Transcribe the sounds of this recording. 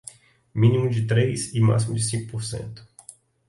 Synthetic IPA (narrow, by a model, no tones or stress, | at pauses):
minimud̪et̪ɾejsima̰ksimud̪esiŋkupuɾsḛnt̪u̥